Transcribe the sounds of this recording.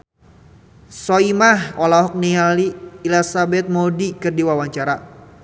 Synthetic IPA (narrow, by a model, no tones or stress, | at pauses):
sɔimaɦɔlaɦɔk̚nialiːlasabɛt̪̚modikɨrdiwawaɲt͡ʃaɾa